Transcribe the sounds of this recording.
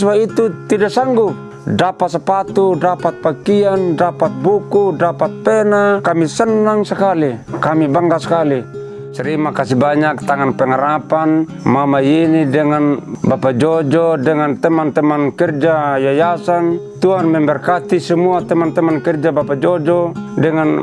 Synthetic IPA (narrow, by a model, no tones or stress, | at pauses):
suait̪ut̪idasaŋɡu | dapat̪sɛpat̪udapat̪̚pakiandapat̪̚bukudapat̪̚pɛnakamisənːaŋsakalikamibaŋɡasḁkali | sɛɾimakasibaɲak̚t̪aŋanpɛŋaɾapan | mamajinidɛŋanbapad͡ʒɔd͡ʒɔdɛŋant̪ɛmant̪ɛmankɛrd͡ʒajajasant̪uɦanmɛmbɛrkat̪isɛmuat̪ɛmant̪ɛmankɛrd͡ʒabapad͡ʒɔd͡ʒɔdɛŋan